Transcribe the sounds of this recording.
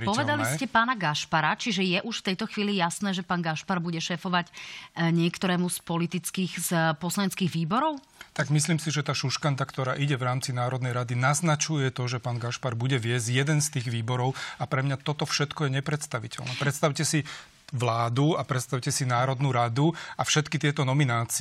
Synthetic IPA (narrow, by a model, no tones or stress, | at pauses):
pɔʋɛd̪aliscɛpaːnaɡaʃpaɾat͡ʃiʒɛjɛʔuʃft̪ɛjt̪ɔxʋiːlijasnɛːʒɛpaːnɡaʃpaɾbuɟɛʃɛːfɔʋaɟɲɪɛkt̪ɔɾɛːmuspɔlit̪it͡skiːɣspɔslaɲɛt͡skiːɣʋiːbɔɾɔʊ | t̪aɡmisliːmsiʒɛt̪aːʃuʃkant̪akt̪ɔɾaːʔiɟɛʋɾaːmt͡sinaːɾɔd̪nɛjɾad̪inaznat͡ʃujɛt̪ɔʒɛpaːnɡaʃpaɾbuɟɛʋɪɛzɟjɛd̪ɛnst̪iːɣʋiːbɔɾɔʊapɾɛmɲat̪ɔt̪ɔfʃɛt̪kɔjɛɲɛpɾɛt̪st̪aʋicɛ̰lnɛ̰ːpɾɛt̪st̪aʊcɛsi | ʋlaːd̪uapɾɛt̪st̪aʊcɛsinaːɾɔd̪nuːɾad̪uafʃɛt̪kit̪ɪɛt̪ɔnɔminaːt͡si